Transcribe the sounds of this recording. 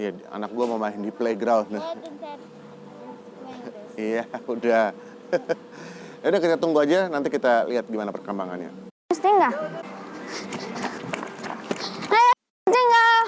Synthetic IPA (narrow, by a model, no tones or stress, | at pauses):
ijaa̰nak̚ɡuamamaɦndipleiɡɾawn | ijaudah | adakit̪kat̪uŋɡuad͡ʒanant̪ikit̪aliɦat̪̚ɡimanapərkəmbaŋa̰nɲa̰ | st̪iŋɡa | aa | d͡ʒaŋɡa